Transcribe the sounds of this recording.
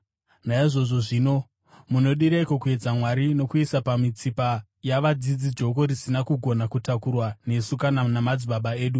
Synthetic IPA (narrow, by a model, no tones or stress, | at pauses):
naiʐo̞ʐo̞ʐiːno̞ | muno̞ɗiɾeikokue̞d͡zamwaɾino̞kuisapamit͡sipa | jaʋad͡zid͡zid͡ʒo̞ko̞ɾisinakuɡʱo̞nakutakurwane̞sukananamad͡ziɓaɓae̞ːɗu